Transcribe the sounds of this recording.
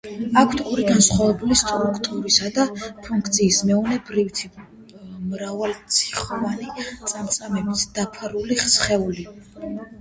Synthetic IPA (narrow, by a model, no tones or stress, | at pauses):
akʰt̪ʰuɾiɡansχwavɛbulist̪ʼɾukʰt̪ʼuɾisad̪apʰuŋkʰt̪sʰiːsmɛɔnɛbɾivt̪ʰi | mɾavalt̪sʰi̥χɔvanit̪sʼamt̪sʼamɛbisd̪̥apʰaɾuliχsχɛuli